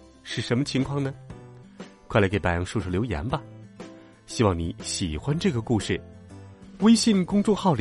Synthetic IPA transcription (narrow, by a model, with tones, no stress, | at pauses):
ʂɻ̩˥˩ʂə˧˥nmə˧t͡ɕʰi˧˥ŋkʰwɑ˥˩ŋnə˩ | kʰwla˧˥ke˧˩ɪpa˨˩ɪjɑ˥ŋʂu˥˧˩ʂʰɤ˥˩ljo˧˥ʊjɛ̰˧˥nbɐ˧ | ɕi˥wɑ˥˩ŋni˧˥ɕi˨˩xwa˦nʈ͡ʂɤ˥˩ɡə˩ku˥˧ʂɻ̩˥˩ | we˥ɪɕi˥˧˩nkʊ˥ŋʈ͡ʂʊ˥˧ŋxɑ˥˩ʊl